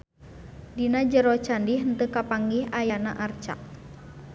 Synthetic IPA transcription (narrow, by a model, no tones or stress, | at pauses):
dinad͡ʒəɾɔt͡ʃandiɦənt̪əkapaŋɡihajanaʔart͡ʃa̰ʔ̚